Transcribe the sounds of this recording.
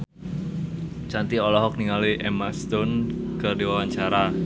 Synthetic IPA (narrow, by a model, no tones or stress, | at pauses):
t͡ʃant̪iolɔɦɔk̚niŋaliʔɛmast̪ʊnkərdiwawaɲt͡ʃaɾa